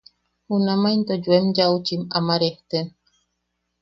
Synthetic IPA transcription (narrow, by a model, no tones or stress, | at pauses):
unamaint̪ɔd͡ʒuɛmd͡ʒawut͡ʃimamaɾɛhtɛn